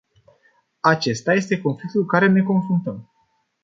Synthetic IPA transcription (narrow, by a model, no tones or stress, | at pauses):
at͡ʃe̞st̪aje̞st̪e̞ko̞nflik̚t̪ulkaɾe̞ne̞ko̞nfɾunt̪əm